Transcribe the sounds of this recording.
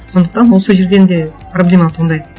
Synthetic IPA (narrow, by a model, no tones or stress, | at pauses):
so̞nd̪əq̚t̪ɑnwo̞səʒeɾd̪e̞nd̪e̞ | problʲe̞mat̪ʰond̪ɑj